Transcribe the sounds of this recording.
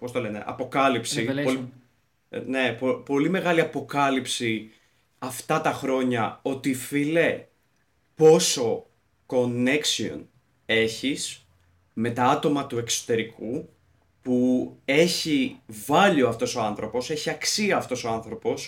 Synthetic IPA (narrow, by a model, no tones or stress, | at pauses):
post̪o̞le̞nḛʔɐ̰po̞kɐlipsi | neopo̞lime̞ɣɐliɐpo̞kɐlipsi | ɐft̪ɐt̪ɐxɾo̞ɲɐo̞t̪ifile | po̞so̞ | ko̞ne̞ksio̰n | e̞çis | me̞t̪ɐɐt̪o̞mɐt̪ue̞kso̥t̪e̞ɾiku | pue̞çivɐʎioɐft̪o̞so̞ɐnθɾʔo̞po̞se̞çiɐksiɐːft̪o̞so̞ɐnθɾo̞po̞s